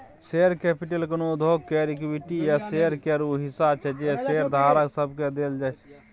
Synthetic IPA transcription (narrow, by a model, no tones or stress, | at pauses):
seɾkepʰiʈelkənod̪ʱoɡ̚keɾikwiʈijaseɾkeɾuɦisabt͡ʃʰɛd͡ʒeseɾd̪ʱaɾəksəbʱked̪eld͡ʒat͡ʃʰ